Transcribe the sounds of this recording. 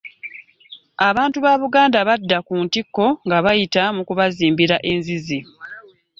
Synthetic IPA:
aβaːntuβaːβuɡaːndaβadːakuːntikːo̞ŋɡaβajitamukuβaziːmbiɾaʔe̞nzizi

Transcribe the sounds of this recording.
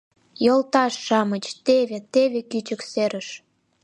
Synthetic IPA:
jolt̪ɑʃːɑmət͡ɕt̪eβet̪eβekyt͡ɕəkseɾəʃ

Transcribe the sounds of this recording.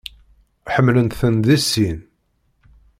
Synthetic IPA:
ħəmːlənt̪θənðisːin

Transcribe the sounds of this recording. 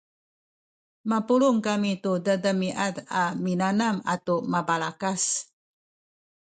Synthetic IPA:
mapuluŋkamitudədəmiʔataminanamatumabalakas

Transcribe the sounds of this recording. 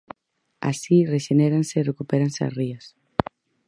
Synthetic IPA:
a̰sireʃeneɾanseːrekupeɾansea̰srias

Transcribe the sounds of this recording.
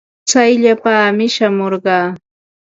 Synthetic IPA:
t͡sajʎapaːmɪʃamoɾɢɑː

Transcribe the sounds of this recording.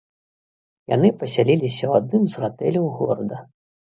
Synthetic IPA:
ja̰nɨpɐsʲalʲilʲisʲɐwad̪̚nɨmzɣat̪ɛlʲɐwɣɔ̰ɾd̪ɐ

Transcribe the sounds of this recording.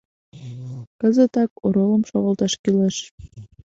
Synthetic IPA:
kɤ̆zət̪ɑkoɾolˠɤ̆mʃoʁə̆lˠt̪ɑʃkileʃ

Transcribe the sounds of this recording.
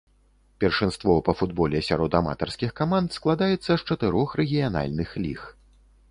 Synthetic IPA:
pʲɛrʂɨnst̪vɔpɐfud̪bɔlʲɛsʲa̰ɾɔd̪ama̰t̪ɐrskʲixkamant̪sklˠad̪ajɛt̪sːɐʂt͡ʂɐt̪ɛɾɔxɾɛɣʲijana̰lʲnɨxlʲḭx

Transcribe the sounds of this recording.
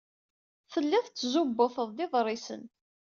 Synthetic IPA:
θəlːɪðˤt͡sːzubːoθəðˤd̪ɪðˤrˤɪsə̰n

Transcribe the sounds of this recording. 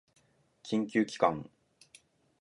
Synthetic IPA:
kʲʰĩŋkʲɨːkʲi̥kã̰ŋ

